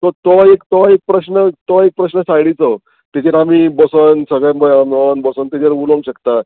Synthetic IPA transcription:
t̪ɔt̪ɔekt̪ɔek̚pɾəɕnət̪ɔek̚pɾəɕnəsajɽit͡sə | t̪et͡ɕeɾamiːbɔsənsəɡɭjbəjanonbɔsənt̪et͡ɕeɾuloŋɕəkt̪a

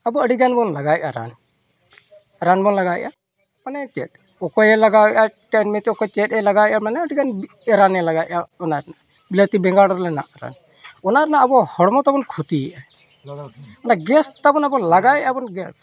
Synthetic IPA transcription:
abɔəɖiɡanbɔnlaɡajʔaɾa̰n | ɾanbɔnlaɡaʔa | panɛt͡ʃɛ̰t̚ | ɔkɔjɛlaɡaʔaʈanmɛt̪ɛɔkɔjt͡ʃɛtɛlaɡawʔamanɛəɖiɡanb | ɾanɛlaɡaʔaɔnaɾna | bilat̪ibɛŋɡaɽɔɾlɛna̰ʔɾa̰n | ɔnaɾnabɔhɔɽmɔt̪abɔnkʰut̪iʔa | ɔnaɡɛst̪abɔnabɔlaɡajʔabɔnɡɛs

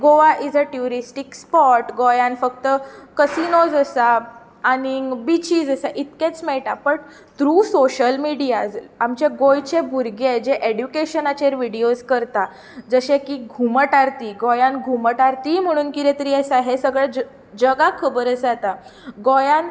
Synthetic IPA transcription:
ɡoʋaʔid͡zəʈjuɾisʈikspɔʈɡojãnfək̚t̪əkəsinod͡zəsaː | ɽibit͡ɕiːd͡zəsaʔit̪kẽt͡smɛɭʈapəɳ | t̪ɾuːsoɕəlmiɽijad͡zamt͡ɕeɡojt͡ɕebʱuɾɡed͡ʑeʔeɽjukeɕənat͡ɕeɾʋiɽioskəɾt̪a | d͡zəɕẽkiɡʱuməʈaɾt̪iːɡojãnɡʱuməʈaɾt̪im̤əɽ̃uːnkiɾet̪əɾiəsaɦesəɡɭa | d͡ʑəɡakʰəbəɾəsat̪aɡojãn

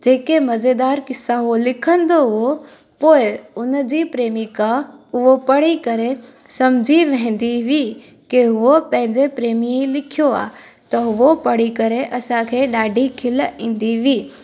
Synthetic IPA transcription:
d͡ʑeːkemɐzed̪aːɾkɪsaɦolɪkʰə̃nd̪oɦʊɦo | poːɪʊnəd͡ʑipɾeːmikãʊɦopɐɽikɐɾe | sɐmd͡ʑʱiʋɛ̃ɦɪ̃nd̪iʋi | kiɦʊʋopɐ̃ɦɪ̃ɲd͡ʑepɾeːmiilɪkʰijoa̰ːt̪ɐɦʊʋopɐɽ̤ikɐɾeʔɐsãkʰeːɗaːɖʱikʰɪlĩːn̆d̪iʋiː

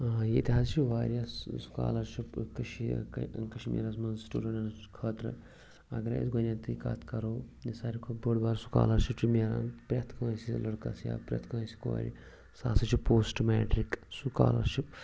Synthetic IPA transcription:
jet̪ʲiɦaːzt͡ʃʰiʋaːɾijɐssu̥ka̰ːlɐɾʃipkɐʃikɐʃmḭːɾɐsmɐnzsʈṵːɖɐɳɐnkʰɐːt̪ɾɨ̰ | ɐ̰ɡɐɾɐ̰ḭsɡonʲaːnt̪ika̰ːt̪ʰkɐɾoːnisaːɾikʰubɐɽbaːɾsu̥ka̰ːlɐɾʃipt͡ʃʰimʲeːɾa̰npɾʲaːt̪ʰkɐʋɐ̃silɐɽkɐsja̰ːpɾʲɐ̰ːt̪ʰkɐɐsi̥ko̰ɾḭ | sa̰ːsɐt͡ʃʰipoːsʈmɛːʈɾiksuka̰ːlɐ̰ɾʃip̚

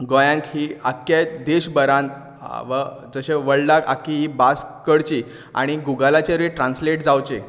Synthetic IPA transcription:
ɡɔjãŋkɦiːakjed̪eɕbəɾãn | ʋəd͡zəɕeʋəɭlaka̰kiɦiːbaskəɽt͡ɕiː | a̰ɽ̃iɡuɡəlat͡ɕeɾʋiʈɾãnsleʈd͡zawt͡ɕe

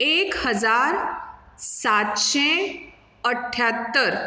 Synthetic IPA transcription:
eːkhəzaːɾ | saːt̪ʃẽ | əʈʰːjaːt̪ːəɾ

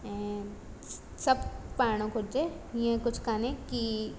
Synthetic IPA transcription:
sɐbpaːɽ̃õkʊd͡ʒeiẽkʊt͡ʃʰkaːnẽki

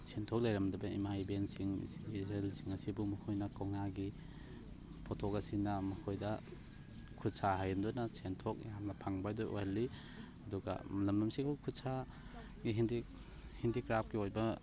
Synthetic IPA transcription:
sentʰɔk̚lɐjɾɐmdɐbɐḭmajbensiŋezelsiŋɐsibumɐkʰojnɐkawŋaɡi | pʰɔtʰokɐsinɐmɐkʰojdɐ | kʰutsaɦajɐndɔnɐsentʰɔk̚jamnɐpʰaŋbajdɔjʔo̰jhɐlːi | ɐduɡɐ̰mlɐmlɐmsikakʰutsa | ɡiɦindi | hindikɾap̚kiojbɐ

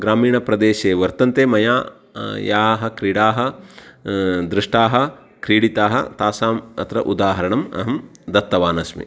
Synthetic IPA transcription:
ɡɾaːmiːɳɐpɾɐd̪eːʃeːʋɐɾt̪ɐnt̪eːmɐjaː | jaːɦɐ̆kɾiːɽaːɦɐ | d̪ɾɪʂʈaːɦɐ̆ | kɾiːɽit̪aːɦɐ̰t̪aːsaːmɐ̰t̪ɾɐ̰ʔud̪aːɦɐɾɐɳɐmɐ̰ɦɐmd̪ɐt̪ːɐʋaːnɐsmḭ

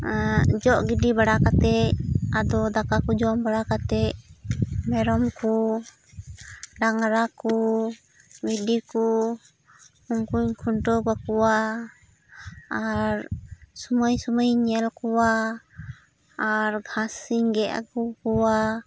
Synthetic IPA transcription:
d͡ʒɔʔɡiɖibaɽakat̪ɛad̪ɔd̪akakud͡ʒɔmbaɽakat̪ɛ | mɛɾɔmku | ɖaŋɾaku | biɖiku | uŋkuɲkʰuɳʈɔɡakɔwa | aɾsuməjsuməjɲɛlkɔwa | ɾɡʱãsiɲɡɛʔa̰kukɔwa

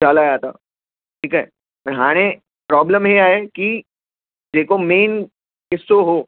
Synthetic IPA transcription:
d͡ʒaːlad͡ʒaːt̪a̰ː | ʈʰiːkɦɛː | pɐɾɦaːɽ̃e | pɾɔːbləmɦeaːeki | d͡ʒeːkomeːn | kɪsːoɦoː

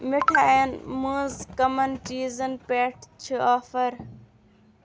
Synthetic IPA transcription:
mɪʈʰaːenmũːzkɐmɐnʈiːzənpeːʈʰt͡ʃʰɨaːfɐɾ

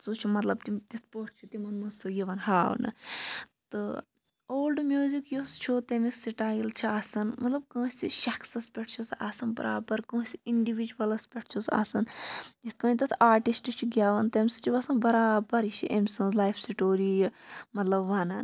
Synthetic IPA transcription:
sot͡ʃʰumɐt̪lɐb̚t̪it̪it̪ʰpoʈʰt͡ʃʰut̪imɐnmɐsojiʋɐnhaːʋnɨ̰t̪ɨ | oːlɖmjuːzikjust͡ʃʰut̪emissiʈaːjɐlt͡ʃʰiaːsɐnmɐt̪lɐb̚kə̃ːsʲiʃɐkʰsɐspʲeʈ̚ʰt͡ʃʰusa̰ːsɐnbɐɾa̰ːbɐɾkɐ̃ːsiiɳɖiʋid͡ʒuʋɐlɐspʲeʈʰt͡ʃʰuza̰ːsɐnj̪it̪̚ʰkɐ̃ːit̪̬ɐt̪ʰaːʈisʈɨt͡ʃʰiɡʲjaːʋɐnt̪emʲsɨ̥t͡ʃʰiʋɐsɐnbɐɾaːbɐɾit͡ʃʰḭʔemʲsɐ̃nzlaːjfʰsiʈoːɾijmɐt̪lɐbʋanɐ̰n

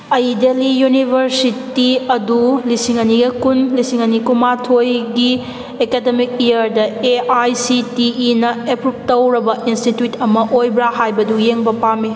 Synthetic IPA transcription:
ɐjdelijunibʱɐɾsitiɐdulisiŋɐniɡɐkunlisiŋɐnikumatʰojɡi | ekedemik̚ijɐɾdɐeajsitiːnɐepɾup̚tɐwɾɐbɐʔinstitjutʰɐmɐʔojbɾahajbɐdujeŋbɐpame

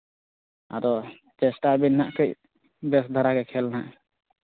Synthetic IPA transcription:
a̰d̪ɔ | t͡ʃɛsʈabinːaʔkəc̚ | bɛsd̪ʱaɾaɡɛkʰɛlnaʔ

